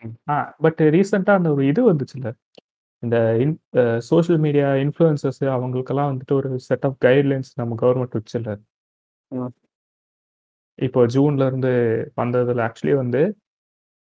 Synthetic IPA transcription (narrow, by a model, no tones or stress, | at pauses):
aːbɐʈːɾiːsɐɳʈaːɐnd̪ɐɔɾɯɪðɯʋɐnd̪ɯt͡ʃːɪlːɐ | ɪnd̪ɐɪnsoːʃɐlmiːɽijaːɪnfluɛnsɐsɯɐʋɐŋɡɐɭɯkːɐlːãːʋɐnd̪ɯʈːɯɔɾɯsɛʈːaːfɡɐɪɖlɐɪnsnɐmːɐɡɐʋɐɾmɛɳʈʋɐt͡ʃːɪlːɐ | ɪpːoːd͡ʒuːnlɐɪɾɯnd̪ɯʋɐnd̪ɐðɪlːɐaːk̚t͡ʃʊɐlijeʋɐnd̪ɯ